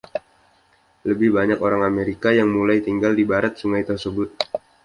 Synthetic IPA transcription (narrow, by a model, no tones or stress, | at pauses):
ləbɪhbaɲakoɾaŋameɾikajaŋmulajt̪iŋɡaldibaɾat̪̚suŋajt̪ərsəbʊt̪̚